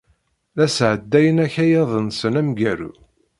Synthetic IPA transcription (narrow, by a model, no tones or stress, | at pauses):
læsʕəd̪ːæjənæçæjɑðˤənsənæmɡæɾṵ